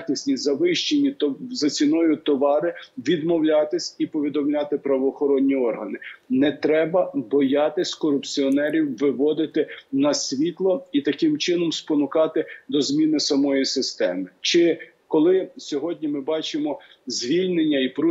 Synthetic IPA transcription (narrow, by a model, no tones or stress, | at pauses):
nʲisʲnʲizɐʋɪʃt͡ʃenʲizɐt͡sʲinɔjʊt̪ɔʋɑɾɪʋʲid̪mɔwlʲat̪ɪsʲipɔʋʲid̪ɔmlʲɑt̪ɪpɾɐʋɔːxɔɾɔnʲːiɔrɦɐnɪnɛt̪ɾɛbɐbɔjɑt̪ɪsʲkɔɾʊpt͡sʲiɔnɛɾʲiwʋɪʋɔd̪ɪt̪ɪnɐsʲʋʲit̪lˠɔit̪ɐkɪmt͡ʃɪnɔmspɔnʊkɑt̪ɪd̪ɔzʲmʲinɪsɐmɔjisɪst̪ɛmɪt͡ʃɪ | kɔlˠɪsʲɔɦɔdʲnʲimɪbɑt͡ʃɪmɔ | zʲʋʲilʲnenʲːɐipɾu